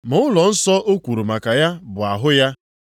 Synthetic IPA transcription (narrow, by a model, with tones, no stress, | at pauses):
mʊ˨ʊ˦lɔ˨n̩˦sɔ˦ʔo˦kʷu˨ɾu˨ma˨ka˨ja˦bʊ˨a˨ɦʊ˦ja˦